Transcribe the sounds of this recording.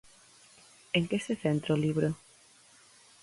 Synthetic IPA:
eŋkeseθent̪ɾaoliβɾo

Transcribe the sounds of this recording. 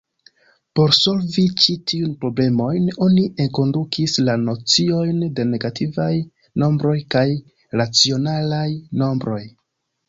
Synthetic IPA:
po̞ɾso̞lvit͡ʃitiunpɾo̞ble̞mo̞jno̞niʔe̞ŋko̞ndukʰislano̞t͡sio̞jnde̞ne̞ɡatʰivaj | no̞mbɾo̞jkaj | ɾat͡sio̞nalajno̞mbɾo̞j

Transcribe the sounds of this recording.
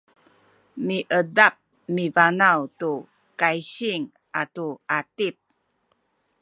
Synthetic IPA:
miʔədap̚ | mivanawtu | kajɕiŋ | atuatip̚

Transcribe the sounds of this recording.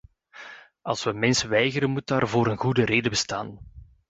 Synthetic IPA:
ʔɑlˠsʋəmɛnsəʋɛjɣəɾənmut̚daːrvoːɾənɣudəɾeːdəbəsta̰ːn

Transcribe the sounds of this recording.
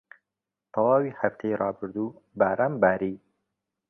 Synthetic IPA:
t̪awɑːwihaft̪ʰeɾɑːbɨɾd̪ubaɾambaɾiː

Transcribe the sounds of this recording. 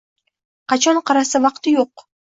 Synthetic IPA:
qʰɑt͡ʃʰɒɴqʰɑɾasavɑqt̪ɪjoq̚

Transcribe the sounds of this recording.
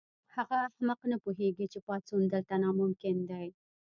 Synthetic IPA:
haʁaːhməqnəpuɦeɡit͡ʃepɑt͡sund̪əlt̪anɑmʊmkɪnd̪ɑj

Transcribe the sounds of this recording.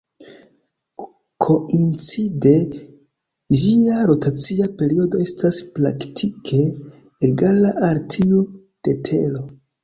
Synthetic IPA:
kʰo̞int͡side | d͡ʒiaɾo̞tat͡siape̞ɾio̞do̞e̞staspla̰ktʰikʰe̞ː | ɡalaʔaɾtʰiu | d̥e̞tʰe̞lo̞

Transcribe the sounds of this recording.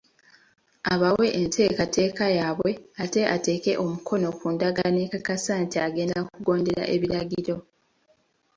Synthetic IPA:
aβawe̞ʔentʰe̞ːkate̞ːkajaːβwe̞ate̞ʔate̞ːke̞ʔo̞mukʰo̞no̞kuːndaɡanekakasaːntiaɡe̞ːndakuɡo̞ːnde̞ɾa̰ʔe̞βiɾaɡiɾo̞

